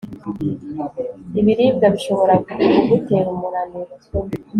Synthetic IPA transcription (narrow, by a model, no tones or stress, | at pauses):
iβiɾiːbɡaβiʃo̞βo̞ɾakuuɡuteɾumuɾaniɾuzo